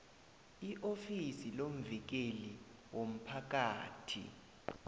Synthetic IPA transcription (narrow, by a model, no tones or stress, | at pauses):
iʔofisilom̩vik̬eli | wom̩pʰak̬aːtʰḭ